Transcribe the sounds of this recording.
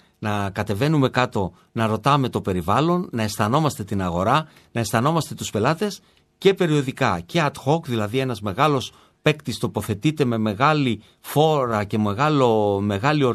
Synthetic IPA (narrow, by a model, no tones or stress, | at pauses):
nɐkɐt̪e̞ve̞nume̞kɐt̪o̞ | nɐɾo̞t̪ɐme̞t̪o̞pe̞ɾivɐlo̞nːɐe̞st̪ɐno̞mɐst̪e̞t̪inɐɣo̞ɾɐ | nɐe̞st̪ɐno̞mɐst̪e̞t̪uspe̞lɐt̪e̞s | ce̞pe̞ɾio̞ðikɐce̞ɐt̪xo̞kðilɐðie̞nɐzme̞ɣɐlo̞s | pe̞kt̪ist̪o̞po̞θe̞t̪it̪e̞me̞me̞ɣɐli | fo̞ɾɐce̞meɣɐlome̞ɣɐlio